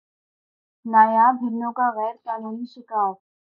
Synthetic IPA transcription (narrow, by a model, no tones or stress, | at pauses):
naːjaːbʱɪnːõkaɣɛːɾkaːnuːniʃɪkaːɾ